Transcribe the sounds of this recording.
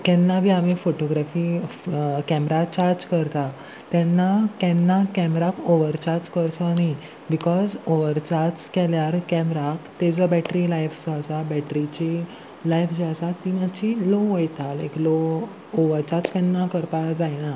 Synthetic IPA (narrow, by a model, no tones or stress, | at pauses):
kɛ̃nːaʋiamifoʈoɡɾafi | kɛmɾat͡ɕaɾd͡zkəɾt̪a | t̪ɛ̃nːakɛ̃nːakɛmɾakoʋəɾt͡ɕaɾd͡ʑkəɾt̪ɔni | bikɔzoʋəɾt͡ɕaɾt͡skɛljaɾkɛmɾakt̪ed͡zɔbɛʈɾilajfsasabɛʈɾit͡ɕi | lajfd͡ʑiasat̪ːimat͡ɕiloɦojt̪alḛklo | oʋəɾt͡ɕaɾt͡skɛnːakəɾpad͡zajña